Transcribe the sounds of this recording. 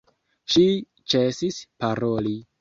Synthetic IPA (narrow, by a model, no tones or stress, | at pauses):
ʃi | t͡ʃe̞sispaɾo̞li